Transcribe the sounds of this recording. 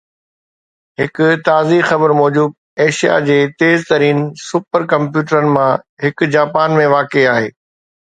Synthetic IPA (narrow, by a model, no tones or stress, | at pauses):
ɦɪkʊt̪aːzixɐbəɾmɔːd͡ʑuːb̪̚ | eːʃija̰d͡ʑeːt̪eːzt̪ɐɾiːnsʊpəɾkɐ̃mpjuːʈəɾənɪ̆mãɦɪkd͡ʑaːpaːnmẽʋaːkeaːɦḛː